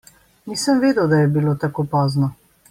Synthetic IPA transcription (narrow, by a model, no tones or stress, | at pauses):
niːsəmʋeːd̪ɛwd̪ajɛbiloːt̪akoːpɔːznɔ